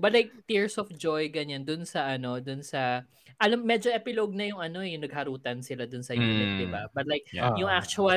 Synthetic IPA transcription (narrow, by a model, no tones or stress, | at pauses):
bɐlajk̚t̪iɹsɔfd͡ʒojɡɐɲand̪ʊnsɐʔɐno̞d̪ʊnsɐ | ʔɐlamːɛd͡ʒoʔɛpɪloɡ̚nɐjʊŋɐno̞jʊŋnɐɡ̚hɐɾuːt̪ɐnsɪlad̪ʊnsɐjunɪt̪̚d̪ɪbabɐt̪lajk̚jʊŋʔak̚t͡ʃʊɐ